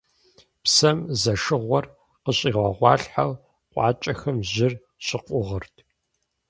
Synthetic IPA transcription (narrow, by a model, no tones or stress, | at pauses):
psɐmzɐʂɨʁʷɔr | qəɕʼiːʁɐʁʷɑ̰ːɬħaw | qʷʼɑːt͡ʃʼɐxɐmʑɪr | ɕʼɪqʷʼʊʁərtʰ